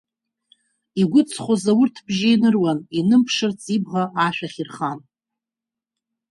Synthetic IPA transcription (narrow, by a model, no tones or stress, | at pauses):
iɡʷʊt͡sʰχʷozawʊrtʰbʒajnɨrwaninɨmpʰʂɨrt͡sʼibʁaːʃᶣaχʲirχan